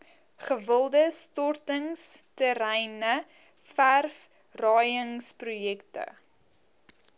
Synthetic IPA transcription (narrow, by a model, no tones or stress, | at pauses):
χəvəlˠdəstɔrtəŋstəɾɛjnə | færf | rɑːjəŋsprujɛktə̰